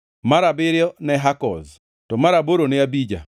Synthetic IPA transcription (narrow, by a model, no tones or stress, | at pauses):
maɾabɪɾjɔnɛɦakɔ̰z | tɔmaɾaboɾonɛabid͡ʒa̰